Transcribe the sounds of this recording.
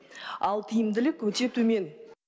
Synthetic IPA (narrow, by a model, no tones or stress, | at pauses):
ɑlˠt̪ʰəjɪmd̪ɪlɪkʲʰːɵt̪e̞t̪ʰʉme̞n